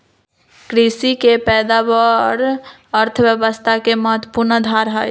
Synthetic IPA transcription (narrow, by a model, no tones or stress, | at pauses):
kɾisikepɛd̪abəɾ | əɾt̪ʰəbjəbəst̪ʰakeməɦət̪wəpuɾnəd̪ʱaɾɦəj